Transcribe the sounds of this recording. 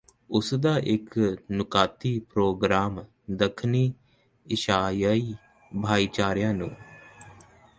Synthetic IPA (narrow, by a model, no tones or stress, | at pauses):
ʊsd̪aːʔɪknʊkaːt̪iːpɾoːɡɾaːm | d̪əkʰniː | ɪʃaːjaːiː | bʱaːiːt͡ʃaːɾjãːnũː